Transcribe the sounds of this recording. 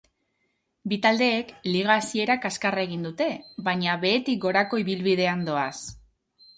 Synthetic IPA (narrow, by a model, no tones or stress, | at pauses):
bit̪ald̪e̞ːkliɣ̞aːsie̞ɾakaskarae̞ɣind̪ut̪e̞βaɲaβe̞ːt̪ik̚ɡo̞ɾako̞iβilβið̞e̞and̪o̞as